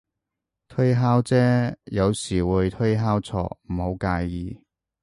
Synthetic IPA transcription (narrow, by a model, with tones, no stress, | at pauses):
t̪ʰɵ˥jɦaː˥wt͡sɛː˥jɐ˨˧wsiː˨˩wuː˨˧jt̪ʰɵ˥jɦaː˥wt͡sʰɔ̰ː˨˩m̩˨˩ho˨˧˥wkaː˧jːiː˨˧